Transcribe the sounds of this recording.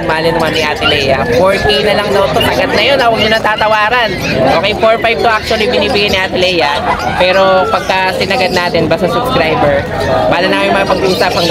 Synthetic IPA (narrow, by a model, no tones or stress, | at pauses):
maːlɪnɐmanːɪʔat̪ɪlɛjɐfoɹk̪inɐlɐŋnɐt̪ot̪ɐɡɐt̪̚nɐjo̞nɐwɐɡ̚d̪ʊnɐŋt̪aːt̪ɐwaːɾɐn | ʔo̞ːkɛjfoɹfajb̚t̪oʔak̚t͡ʃʊɐlibɪniːbɪɡanɪʔat̪ɪlɛjɐ | pɛːɾo̞pɐɡ̚kɐsɪnɐɡɐd̪̚naːt̪ɛnbasɐsʊbskɾajbɛɹ | baːlɐnakɐmɪŋmɐŋɐpɐɡʔuːsɐpɐŋɡ